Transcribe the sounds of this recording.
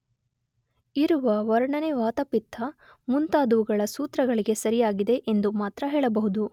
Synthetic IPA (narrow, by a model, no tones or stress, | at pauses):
iɾuʋɐʋɐɾɐɳɐneʋaːt̪ɐpit̪ʰːɐ | munt̪aːd̪uʋuɡɐɭɐsuːt̪ɾɐɡɐɭiɡe̞sɐɾijaːɡid̪e̞ʔend̪umaːt̪ɾɐɦeːɭɐbɐɦud̪u